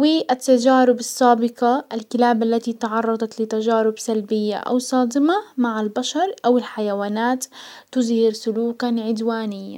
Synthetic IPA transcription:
wiʔat̪ːad͡ʒaːɾɪbɑsˤːaːbɪqɑʔalkɪlaːbʔalːat̪it̪ɑʕɑrˤːɑd̪ˤɑt̪lɪt̪ad͡ʒaːɾɪbsalbɪjːa̰ʔa̰wsˤɑːd̪ɪmamaʕalbaʃɑɾˤʔawɪlħajawaːnaːt̪ː | ʊzhɪɾsʊluːkaʕɪd̪waːnɪjːa̰

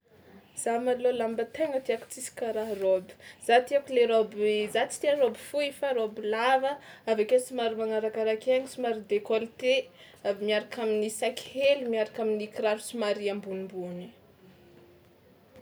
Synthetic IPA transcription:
z̥amalolambət̪eŋət̪iaku̥t͡sisi̥kaɾaɦrobi̥z̥at̪iakuleɾobzat͡si̥t̪iarobi̥fuefaɾobilavəavakesimaɾimaŋaɾakaɾakaŋisimaɾid̪ekolt̪e | abimiaɾakaminisaki̥helimiaɾakaminikiɾaɾu̥simaɾiambunimbuni

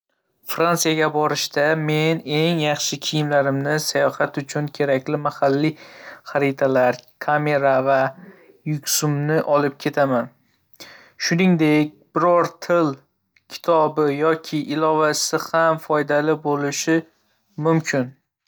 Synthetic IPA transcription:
fɾansijaɡʲabɒɾɪʃt̪ame̞ne̞ŋjɑχʃɪkʲʰɪjɪmlaɾɪmnɪsajɒhat̪ʊt͡ʃʰʊnkʲʰe̞ɾakʲlɪmahalːiχaɾit̪ʰalaɾkʰame̞ɾava | jʊkʲsʊmnɪʔɒlɪp̚kʲʰe̞t̪ʰaman | ʃʊnɪŋd̪e̞k̚ʲbɪɾɒɾt̪ʰɪl | kʲʰɪ̥t̪ʰɒbɪjɒkʲʰɪʔɪlɒvasɪhamfɒjd̪alɪbolɪʃɪ | mʊmkʲʰɪn

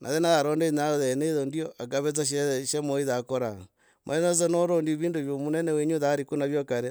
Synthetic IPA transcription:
nʔa̰ðenaðaɾoːndenaðɛneiðondioʔak̬aβet͡saʃʃemoiðakoɾa | mo̰ɛnot͡sɔnoɾondiβiːndoβjomunɛnɛweɲuðaɾikunaβjokaɾe

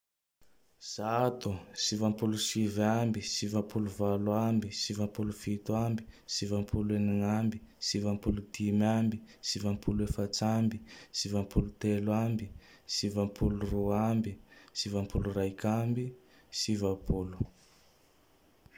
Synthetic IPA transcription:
z̥at̪usivampulusivambisivampuluvalwambisivampulufit̪uambi̥sivampʰuleniŋambisivampulud̪imambisivampʰulefat͡sambisivampulut̪elwambi | sivampʰuluruambisivampulurajkambi | sivapʰulu̥

